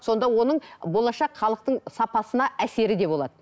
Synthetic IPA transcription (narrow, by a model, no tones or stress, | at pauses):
so̞nd̪ɑwo̞nəɴbo̞lˠɑʃɑqχɑlˠəq̚t̪əɴsɑpɑsənɑʔæse̞ɾɪd̪e̞bo̞lˠɑ̰d̪ə